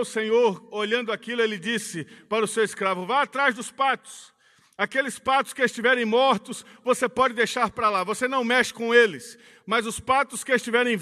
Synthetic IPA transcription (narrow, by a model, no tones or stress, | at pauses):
ʊsẽɲoɾoʎɐ̃nd̪ʊakilʊelɪd͡ʒisɪpaɾʊsewɪskɾavʊvajat̪ɾazd̪ʊspat̪ʊ̥s | akelɪspat̪ʊ̥skɪest͡ʃivɛɾẽj̃mɔɾt̪ʊsvosepɔd͡ʒɪd̪ejʃaɾpɾalavosenɐ̃w̃mɛʃɪ̥kõelɪs | mɐzʊspat̪ʊskɪest͡ʃivɛɾẽj̃